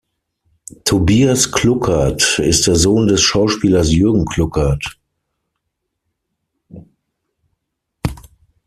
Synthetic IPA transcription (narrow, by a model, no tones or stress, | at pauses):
tʰobiːasklʊkʰatɪst̚d̥eːɐzoːndɛsʃaʊʃpiːlɐsjʏɐɡŋ̩kʰl̥ʊkʰat